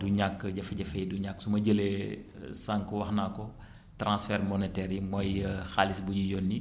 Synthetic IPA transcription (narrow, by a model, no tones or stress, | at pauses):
duɲakːɟɐfɐɟɐfɛjduɲakːsumɐɟəlɛsaŋkəwɐxnakɔ | tɾãnsfɛɾmɔnɛtɛɾimɔjxaːlisbuɟujɔnːi